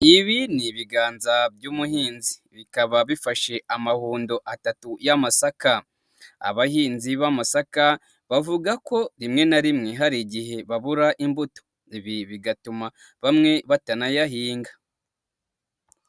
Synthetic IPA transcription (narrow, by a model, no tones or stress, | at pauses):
iβiniβiɡaːnzabjuːmuhiːnziβikaβaβifaʃe̞amahuːndo̞ʔatatujamasaka | a̰βahiːnziβamasaka | βavuɡako̞ɾimŋe̞naɾimŋe̞ɦaɾiɟiɦe̞βaβuɾaʔimbuto̥ | iβiβiɡatuma | βamŋe̞βatanajaɦiːŋɡḁ